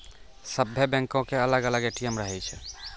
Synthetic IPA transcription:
səbʱːebɛ̃ŋkõkeələɡələɡeʈijəmɾəɦɛt͡ʃʰɛ

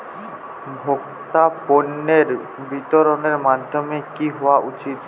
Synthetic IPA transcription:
bʱok | t̪aponːeɾ | bit̪ɔɾoneɾmad̪ʱjɔmekiɦoaʔut͡ʃit̪

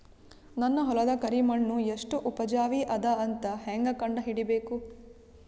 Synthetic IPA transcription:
nɐnːɐɦɔlɐd̪ɐkɐɾimɐɳːueʂʈuʔupɐd͡ʒaːʋiʔɐd̪ɐɐnt̪ɐheŋɡɐkɐɳɖɐɦiɽibeːku

